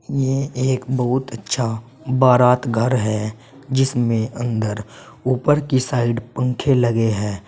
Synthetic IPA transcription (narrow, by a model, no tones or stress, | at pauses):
jeeːkbəɦʊt̪ətːʃʰa | baːɾaːt̪ɡʱəɾɦɛ | d͡ʒɪsmẽʔə̃nd̪əɾ | uːpəɾkisaːɪɖpə̃ŋkʰeləɡeɦɛː